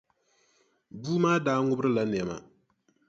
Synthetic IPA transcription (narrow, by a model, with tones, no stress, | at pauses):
buː˦maː˦daː˦ŋʊ˦bɨ˦ɾɨ˦la˦n˨ɛ˨ma̰˨